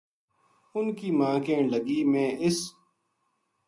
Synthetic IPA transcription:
ʊnkiːmãːkẽːləɡiːmẽːɪs

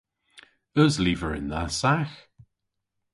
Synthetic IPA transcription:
əzliːvəɹɪ̰nðasax

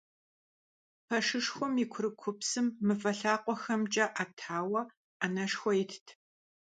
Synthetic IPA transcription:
pʰɐʂɨʂxʷʊmikʷʰʊɾɨkʷʰʊpsɨmːɨfɐɬaːqʷɔxɐmt͡ʃʼɐʔatʰaːwɐ | anɐʂxʷɔɪtʰtʰ

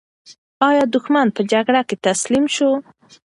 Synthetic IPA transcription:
ɑjɑd̪ʊxmanpəd͡ʒaɡɽaket̪aslimʃo

